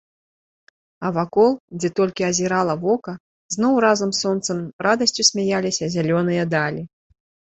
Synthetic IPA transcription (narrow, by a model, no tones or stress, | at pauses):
ɐvakɔlˠd͡zʲɛt̪ɔlʲkʲiɐzʲiɾalˠɐvɔkɐ | znɔwɾazɐmsɔnt̪sɐmrad̪ɐsʲt͡sʲusʲmʲajalʲisʲɐzʲalʲɔnɨjɐd̪alʲi